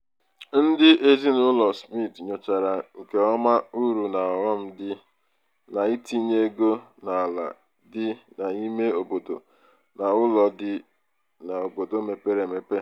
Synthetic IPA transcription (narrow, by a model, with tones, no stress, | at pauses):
n̩˦dɪ˦ʔe˦zi˦nʊ˦lɔ˨spi˦˨tɲo˨t͡ʃa˨ɾa˨ŋ̩˨ke˨ɔ˦ma˦u˦ɾu˨na˨wɔ˦m̩˦dɪ˦ | na˨i˦ti˦ɲe˦ɡo˦na˨a˨la̰˨ | dɪ˦na˨i˦me˦o˨bo˨do̰˨ | na˨ʊ˦lɔ˨dɪ˦ | na˨o˨bo˨do˦me˨pe˦ɾe˨me˨pe˦